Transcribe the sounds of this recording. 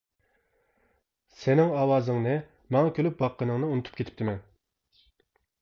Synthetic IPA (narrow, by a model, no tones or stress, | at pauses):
sɪnɪŋɑːwɑːzɨŋnɨ | mɑŋɑkʲʰølyp̚bɑqʰːənɨŋnɨunɨt̪ʰu̥p̚kʰʲet̪ɪ̥p̚t̪ʰɪmɛn